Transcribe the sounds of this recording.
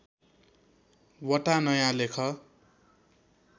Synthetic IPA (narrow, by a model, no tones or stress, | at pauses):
wʌʈanʌjãlekʰʌ